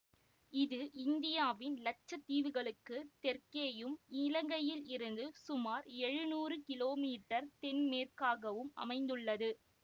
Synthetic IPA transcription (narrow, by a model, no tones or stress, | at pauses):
ɪðɯʔɪnd̪ɪjaːʋɪnlɐt͡ʃːɐt̪ːiːʋɯɣɐɭɯkːɯt̪ɛrkeːjɯmɪlɐŋɡɐjɪlɪɾɯnd̪ɯsʊmaːɾɛɻɯnuːrɯkɪloːmiːʈːɐɾt̪ɛnmeːrkaːɣɐʋɯmɐ̰mɐɪnd̪ɯɭːɐðɯ